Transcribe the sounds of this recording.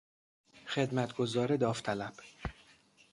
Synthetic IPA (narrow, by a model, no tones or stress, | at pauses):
xed̪mæt̪ʰɡozɒːɾed̪ɒːft̪ʰælæb̥